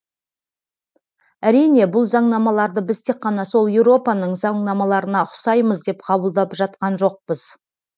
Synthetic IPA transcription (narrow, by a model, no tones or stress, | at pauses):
æɾijne̞bʊlˠzɑɴnɑmɑlˠɑɾd̪əbɪz̥t̪ʰe̞k̚qːɑnɑso̞lˠjewɾo̞pɑnəɴzɑɴnɑmɑlˠɑɾənɑʊ̥sɑjməzd̪e̞pqʰɑbəlˠd̪ɑpʒɑt̪̚qɑnʒo̞q̚pəz̥